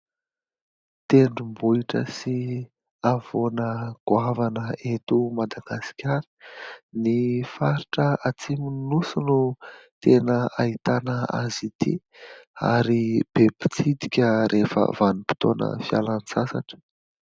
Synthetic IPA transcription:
t̪eɳɖ͡ʐumbuiʈ͡ʂə̰si | av̥onəɡ̥uavanəet̪umad̪aɡasi̥kʲaɾi̥nifaɾiʈ͡ʂəat͡simuninusunut̪enəait̪anəa̰zit̪ḭ | a̰ɾib̥ebi̥t͡sid̪i̥kʲəɾʔefə̰vanupi̥t̪onʔə̰fjalant͡sasaʈ͡ʂə̥

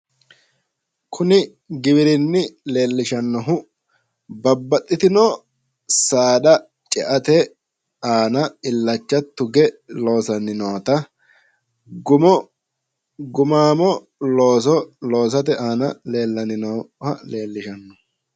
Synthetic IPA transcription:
kʰʊnɪ | ɡɪbɪɾɪnːɪle̞ːlːɪʃɐnːɔɦʊ | bɐbːɐt̪ʼːɪt̪ɪnɔ | saːɗɐ | t͡ʃʼɛʔɐt̪ɛ | aːnɐɪlːɐt͡ʃːɐt̪ːʊɡɛlo̞ːsɐnɪnɔwɐt̪ɐ | ɡʊmɔ | ɡʊmaːmɔ | loːs̬ɔlo̞ːs̬ɐt̪ɛʔaːnɐle̞ːlːɐnɪnɔhɐle̞ːlːɪʃɐnːɔ

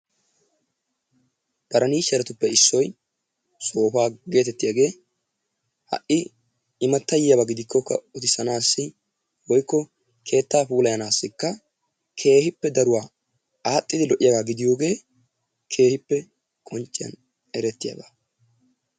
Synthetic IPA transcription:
b̥ɐɾɐniːʃɛɾɛt̪ʊpːɛɪsːɔj | so̞ːfaːɡe̞ːt̪ɛt̪ːɪjaɡe̞ː | hɐ̰ʔɪ | ɪmɐt̪ːɐjɪjɐbaɡɪd̪ɪkʰːɔkːɐ̰ʊt̪ɪsɐnaːsːɪ | wɔjkːɔ | kʰe̞ːt̪ːaːpuːlɐjɐnaːsːɪkːɐ | kʰe̞ːhɪpːɛd̪ɐɾʊwaː | aːt̪ʼːɪd̪ɪlɔʔɪjaɡaːɡɪd̪ɪjo̞ːɡe̞ː | kʰe̞ːhɪpːɛ | kʼɔnt͡ʃʼːɪjɐ̰n | ɛɾɛt̪ːɪjɐ̰ːba

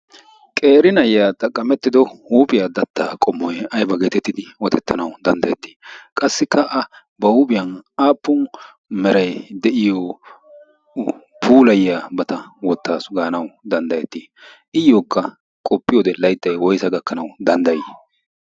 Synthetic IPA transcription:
kʼe̞ːɾɪnɐjːaːt̪ʼɐkʼːɐmɛt̪ːɪd̪ɔhuːpʼɪjaːd̪ɐt̪ːaːkʼɔmːɔjɐjbɐɡet̪ɛt̪ːɪd̪ɪwɔt̪ɛt̪ːɐnɐwd̪ɐnd̪ɐjɛt̪ːi̥ːkʼɐsːɪkʰːɐʔɐ | bɐhubɪjɐnaːpːʊn | mɛɾɐjd̪ɛʔɪjɔ | pʰuːlɐjːaːbɐt̪ɐwɔt̪ːaːsɡaːnɐwd̪ɐnd̪ɐjɛt̪ːiː | ʔɪjːoːkːɐ | kʼɔpːɪjɔd̪ɛlɐjt̪ːɐjwɔjsɐɡɐkːɐnɐwd̪ɐnd̪ɐjɪ

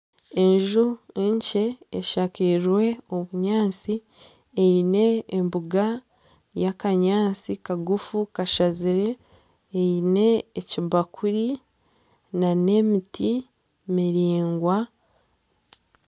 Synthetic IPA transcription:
e̞ɲʒueɲceːʃakiɾwe̞oβuɲaːt͡si | eine̞ːmbuɡa | jakaɲaːt͡sikaɡufukaʃaziɾe̞ː | ine̞ːciβakʰuɾi | nane̞miti | miɾiːŋɡwa

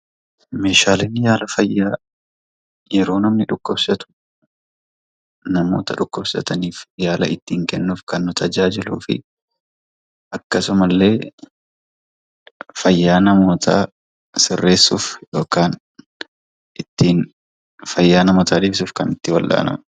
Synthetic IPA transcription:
me̞ːʃaːleːnːɪjaːlɐfɐjːaː | jɛɾo̞ːnɐmnɪᶑʊkːɔbsɐt̪ʊ̥ | nɐmo̞ːt̪ɐᶑʊkːɔbsɐ̰t̪ɐniːfjaːlɐ̰ɪt̪ːiːŋkɛnːuːfkɐnːʊt̪ʰɐd͡ʒaːd͡ʒɪlṵːfɪ̰ | ʔɐkːɐsʊmɐlːe̞ː | fɐjːaːnɐmo̞ːt̪ʰa̰ː | sɪrːe̞ːsːuːfjo̞ːkaːn | ʔɪt̪ːiːn | fɐjːaːnɐmoːt̪ʰaːᶑ̪iːbsuːfkɐnɪt̪ːɪwɐlːa̰ːnɐ̰m

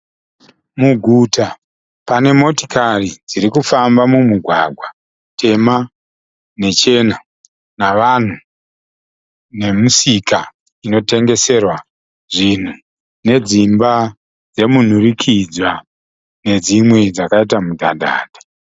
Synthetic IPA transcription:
muɡʱuta | pane̞mo̞ti̥karid͡ziɾikufambamumuɡʱwaɡʱwa | tʰe̞ma | ne̞t͡ʃe̞na | naʋan̤u | ne̞musika | ino̞te̞ŋɡe̞se̞rwa | ʐin̤u | ne̞d͡zimba | d͡ze̞mun̤urikʰid͡zwa | ne̞d͡zimwe̞d͡zakaitamudʱa̰dʱa̰ːdʱe̥

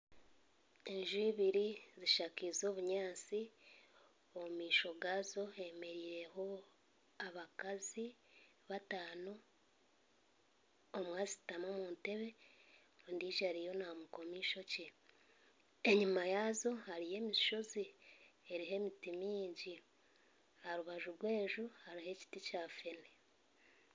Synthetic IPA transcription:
eɲʒuiβiɾiziʃaːkizo̞ːβuɲaːt͡si | omiːʃo̞ɡaːzo̞e̞me̞ɾiːɾe̞ɦo̞ | aβakazi | βataːno | mwaːzitamomuːnte̞βe̞ | ondiːʒaɾijo̞namuko̞miːʃo̞ce | eɲumajaːzo̞haɾije̞ːmiʃo̞zieɾiɦe̞mitimiːɲɟi | haɾuβaʒuɾwe̞ːʒuhaɾiɦe̞ci̥ticaːfe̞ne

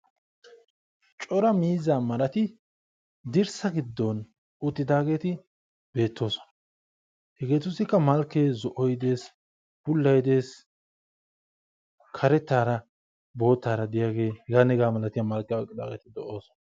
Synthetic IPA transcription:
t͡ʃʼɔɾɐmiːzːaːmɐɾɐt̪ɪ | d̪ɪɾsɐɡɪd̪ːɔn | ʊt̪ːɪd̪aːɡe̞ːt̪ɪ | b̥e̞ːt̪ʰːo̞ːsɔ̥nɐ̥ | hɛɡe̞ːt̪ʊsɪkːɐmɐlkːeːzɔʔɔjd̪e̞ːs | b̥ʊlːɐjɪd̪e̞ːs | kʰɐɾɛt̪ːaːɾɐ | bo̞ːt̪ːaːɾɐd̪ɪjaːɡe̞ːhɛɡaːnɛɡaːmɐlɐt̪ɪjamɐlkːɛkʼːɪd̪a̰ːɡeːt̪ɪd̪ɔʔoːsɔ̥nɐ

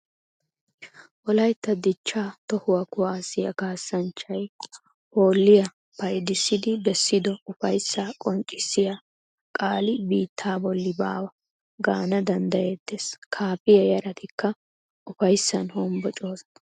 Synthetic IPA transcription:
ʔɔlɐjt̪ːɐd̪ɪt͡ʃːaːt̪ɔhʊwɐkʊwaːsɪjɐkaːsːɐnt͡ʃːɐj | hoːlːɪjɐ | pɐjd̪ɪsːɪd̪ɪbɛsːɪd̪ɔʊfɐjsːaːkʼɔnt͡ʃʼɪsːɪja | kʼaːlɪbiːt̪ʰːaːbɔlːɪba̰ːwɐ | ɡa̰ːnɐd̪ɐnd̪ɐjeːd̪ːeːskʰaːpɪjɐjɐɾɐt̪ɪkːɐ | ʔʊfɐjsːɐnhɔmbɔt͡ʃʼoːsɐ̥

